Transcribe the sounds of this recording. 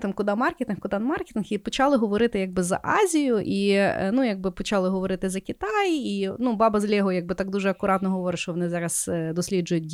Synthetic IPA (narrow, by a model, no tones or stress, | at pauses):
t̪ɪmkʊd̪amɑrkʲet̪ɪnxkʊd̪anmɑrkʲet̪ɪnxipɔt͡ʃɑlˠɪɦɔʋɔɾɪt̪ɪjaɡ̚bɪzɐ̰ʔɑzʲijʊʔḭnujaɡ̚bɪpɔt͡ʃɑlˠɪɦɔʋɔɾɪt̪ɪzɐkʲit̪ɑjinubɑbɐzlʲɛɦɔjaɡ̚bɪt̪ɑɡd̪uʒɛɐkʊɾɑt̪nɔɦɔʋɔɾɪʃt͡ʃɔʋɔnɪzɑɾɐsd̪ɔsʲlʲid͡ʒʊjʊtʲ